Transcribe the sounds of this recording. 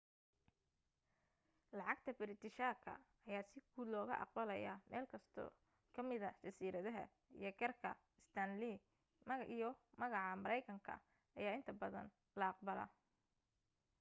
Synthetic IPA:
lɑʕɑɡt̪ʰɐbɪɾɪt̪ɪʃaːkʰɐ̰ː | jaːsɪɡuːd̪lɔːɣɐ̰ʔɑ̰q̚bɐlɐjaːmɛːlkʰɐst̪ʰɔ̰ː | kʰɐmɪðɐt͡ʃɐsiːɾɐðɐɦɐ̰ | ḭjɞɡɐrkʰɐ̰ | ɪst̪ʰɐnli | ʔijɔmɐɣɑʕɑmɐɾɛjkʰɐŋkʰɐ̰ | ɐjaːɪnt̪ʰɐbɐðɐ̰n | lɐɑq̚bɐlɐ̰

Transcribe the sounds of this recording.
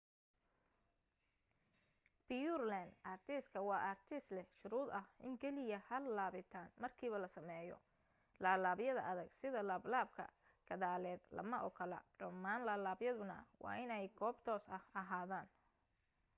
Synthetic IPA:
b̥ijurland̪ʔaːrt̪ʰiskʰɐwɑːʔaːrt̪ʰɪslɛhʃʊɾuːd̪ɐhʔɪ̰ŋkʰɛlɪjɐhɐlaːβɪt̪ʰaːnmɐrkʰiːβɐlɐsɐmɛːjɔ̰ | laːlaːβjɐðɐ̰ʔɐðɐɡsɪðɐlaːblaːb̚kʰɐ̰ | ɡ̥ɐðaːlɛːd̪lɐ̰mɐʔɔ̰kʰɐlɐ̰ɖɐmːaːnlaːlaːbjɐðʊnɐ̰wɑ̰ːʔɪnɛjɡʰɔːbt̪ʰɔːsɐhɐɦaːðaːn

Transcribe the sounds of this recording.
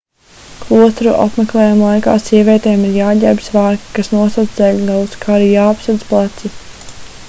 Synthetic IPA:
klˠuɔst̪ɾṵʔa̰pmɛklˠɛːjamlˠajka̰ːsʲiɛvʲɛt̪ɛːmiɾjaːɟʲɛːb̥svaːɾkkasnuɔsad̪zd̪ɛʎʲɡalˠuskʰaːɾiːjaːapsad̪zplˠat̪si

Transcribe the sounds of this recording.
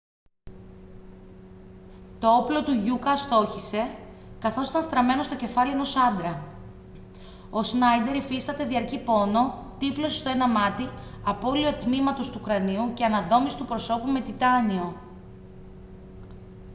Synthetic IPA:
t̪o̞o̞plo̞t̪uʝukɐst̪o̞çise̞kɐθo̞si̥t̪ɐnst̪ɾɐme̞no̞st̪o̞ce̞fɐlie̞no̞sɐnd̪ɾɐ | o̞snɐjd̪e̞ɾifist̪ɐt̪e̞ðiɐɾcipo̞no̞t̪iflo̞sist̪o̞enɐmɐt̪iɐpo̞lio̞t̪nimɐt̪o̞st̪uːkɾɐniuce̞ɐnɐðo̞misi̥t̪upɾo̞so̞pume̞t̪it̪ɐnio̞

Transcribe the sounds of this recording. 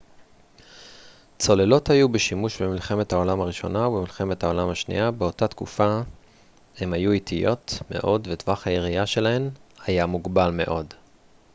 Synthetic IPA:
t͡so̞le̞lo̞thajubeʃimuʃbemilχe̞me̞thao̞lamaʁiʃo̞̰naubemilχe̞methao̞lamhaʃnḭjabeo̞tat̪kufa | he̞mhajuitʰijo̞tme̞̰ʔo̞dvetvaχhajeʁiaʃe̞lahe̞mhajamuɡbalme̞̰ʔo̞d

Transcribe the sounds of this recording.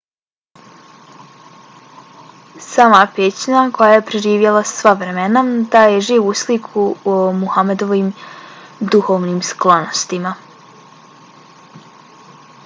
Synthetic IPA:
saːmapeːt͡ɕɲako̞jaje̞pɾeʒiːʋjelˠassʋaʋɾe̞menad̪ajeʒiːʋuslikʰuomuhamed̪o̞ʋiːm | d̪uhoʋniːmsklˠonost̪ima

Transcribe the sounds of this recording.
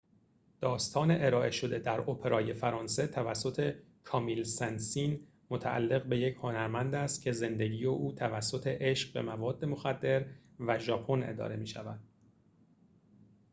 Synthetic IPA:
d̪̥ɒːst̪ʰɒːne̞ʔeɾɒːʔe̞ʃo̞d̪e̞d̪æɾopʰe̞ɾɒːje̞fæɾɒːnse̞t̪ʰævæsːo̞t̪ʰe̞ | kʰɒːmilsænsiːn | mo̞t̪ʰæʔæ̰lːe̞ɣbe̞je̞cʰho̞næɾmænd̪æst̪̚cʰe̞ze̞nd̪eɟiːjeʔuːt̪ʰævæsːo̞t̪ʰe̞ʔeʃɢbe̞̰mævɒːd̪ːe̞mo̞xæd̪ːe̞ɾvæʒɒːpʰo̞ne̞̰d̪ɒ̰ːɾe̞miːʃævæd̪̥̚

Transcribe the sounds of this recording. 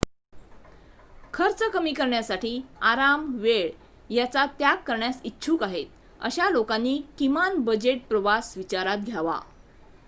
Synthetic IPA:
kʰəɾt͡səkəmiːkəɾɳjasaʈiːaɾamʋeɭ | jat͡sat̪jakːəɾɳjasitːɕʰuːkaɦet̪̚ | ə̰ɕalokanːiːkimanbəd͡ʑeʈ̚pɾəʋasʋit͡ɕaɾat̪̚ɡʱjaʋa̰

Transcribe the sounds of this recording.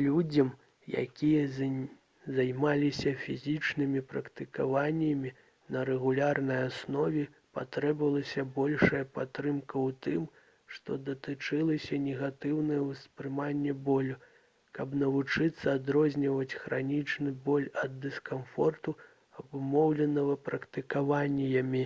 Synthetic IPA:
lʲud͡zʲɐm | ja̰kʲijɐ | zajmalʲisʲɐfʲizʲit͡ʂnɨmʲipɾɐkt̪ɨkavanʲːɐmʲi | nɐɾɛɣulʲarnɐjasnɔvʲɛ | pa̰t̪ɾɛbvɐlˠɐsʲɐbɔlʲʂɐjɐpat̪ɾɨmkɐwt̪ɨm | ʂt̪ɔd̪ɐt̪ɨt͡ʂɨlˠɐsʲɐnʲɛɣat̪ɨwnɐjɐwspɾɨmanʲːɛbɔlʲu | kɐbnɐvut͡ʂɨt̪sːɐad̪ɾɔzʲnʲɐvɐt͡sʲxɾanʲit͡ʂnɨbɔlʲɐd̪ːɨskamfɔrt̪u | ɐbumɔwlʲɛnɐɣɐpɾɐkt̪ɨkavanʲːijɐmʲi

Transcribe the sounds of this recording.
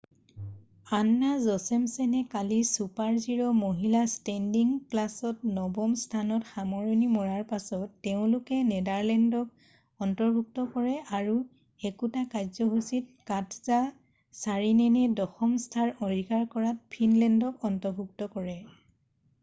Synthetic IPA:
anːazɔsɛmsɛnɛkalisupaɹziɹɔmoɦilastɛndiŋklasɔtnɔbɔmstʰanɔtxamɔɹɔnimɔɹaɹpasɔtːeʊ̃lʊkɛnɛdaɹlɛndɔk̚ | ɔntɔɹbʱuk̚tɔkɔɹɛʔaɹu | ekutakazɔɦusit̚katʰza | saɹinɛnɛdɔxɔmstʰaɹɔɹiɡaɹkɔɹat̚pʰinlɛndɔkɔntɔɹbʱuk̚tɔkɔɹɛ

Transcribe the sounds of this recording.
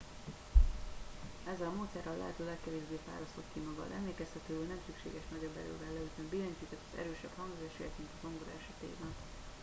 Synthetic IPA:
ɛzːɛlɒmoːt̪sɛrːɒlːɛ̰ɦɛt̪øːlɛkːɛveːʒbeːfa̰ːlɒst̪o̞t̪kimɒɡɒ̰d̪ɛmleːkɛst̪ɛt̪øːulnɛmsykʃḛːɡɛʃnɒɟo̞bːɛ̰ɾø̰ːvɛlːɛyt̪ømbizoɲt͡ʃiːt̪ɛt̪ːɒzɛ̰ɾøːʃɛbhɒŋɡzaːʃḛːjt̪mint̪ɒzoŋɡoɾɛʃɛt̪ḛːɡbɛn

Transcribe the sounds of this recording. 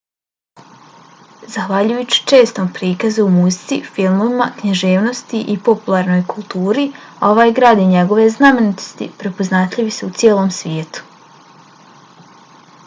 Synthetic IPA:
zaxʋaʎujut͡ɕi̥t͡ʃe̞ːst̪ompɾiːkazuumuzit̪sifilˠmoʋimakɲaʒeːʋno̞st̪iʔipo̞pulˠaɾno̞jkulˠt̪uːɾio̞ʋaːjɡɾaːd̪iɲeɡo̞ʋe̞zname̞nit̪o̥st̪ḭpɾe̞poznat̪ʎʲiʋiseut̪sʲjeːlˠo̞ːmsʋʲjeːt̪u̥

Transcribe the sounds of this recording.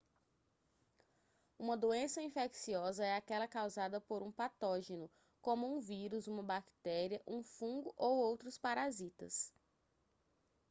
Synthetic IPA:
ũmɐd̪oẽsɐĩfeksiɔzɐɛakɛlɐkawzad̪ɐpoɾũpat̪ɔʒenʊ | kõmʊũviɾuzũmɐbakt̪ɛɾiɐʔũfũɡʊʔowowt̪ɾʊspaɾazit̪ɐ̰s

